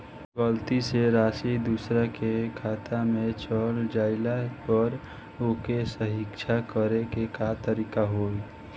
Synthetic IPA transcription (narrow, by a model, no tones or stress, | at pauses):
bəlt̪iseɾaːsid̪usɾakekʰaːt̪ʰamẽt͡ʃɔːld͡ʒaːɪlapəɾ | okesəɦɪkʃʰakəɾekekat̪əɾiːkaɦoːi